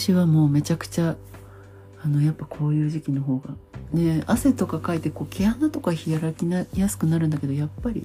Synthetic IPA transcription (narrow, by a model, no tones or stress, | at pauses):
ɕiβamo̞ːme̞t͡ɕakɯ̟̥t͡ɕa | no̞japːakʰo̞ːjɯ̟ːʑikʲino̞ɦo̞ːɡane̞ase̞t̪o̞kakait̪e̞ko̞ːkʰʲianat̪o̞kaçiaɾakʲinajasɨ̥kɯ̟naɾɯ̟̃nd̪ake̞d̪o̞japːaɾʲḭ